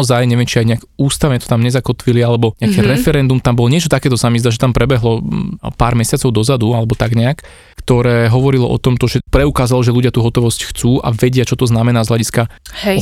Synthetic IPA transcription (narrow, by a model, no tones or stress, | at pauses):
ɔzajɲɛʋɛmt͡ʃiajɲɛaɡuːst̪aʊɲɛt̪ɔ̥t̪amɲɛzakɔt̪ʋilialɛbɔɲɛakɛːɾɛfɛɾɛnd̪umt̪ambɔlɔɲɪɛt͡ʃɔt̪akɛːt̪ɔsamizd̪aʒɛt̪ampɾɛbɛɦlɔpaːɾmɛsɪat͡sɔʊd̪ɔzad̪ualɛbɔt̪aɡɲɛak | kt̪ɔɾɛːɦɔʋɔɾilɔ̰ʔɔ̰t̪ɔmt̪ɔʒɛpɾɛukaːzalɔʒɛluɟɪat̪uːɦɔt̪ɔʋɔscxt͡suːʔa̰ʋɛɟɪat͡ʃɔt̪ɔznamɛnaːzɦlaɟiska